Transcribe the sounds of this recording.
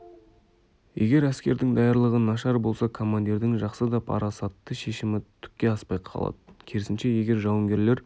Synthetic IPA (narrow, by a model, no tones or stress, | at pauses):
je̞ɡʲe̞ɾæskʲe̞ɾd̪ɪŋd̪ɑjɑɾlˠəʁənɑʃɑɾbo̞lˠsɑkʰo̞mand̪iɾd̪ɪŋʒɑqsəd̪ɑpʰɑ̰ɾɑsɑt̪ːəʃe̞ʃɪmɪt̪ʰʏ̥kʲːe̞ɑspɑjqʰɑ̰lˠɑ̰d̪̥əkʲʰeɾɪsɪnʃe̞je̞ɡʲe̞ɾʒɑwəŋɡʲe̞ɾle̞ɾ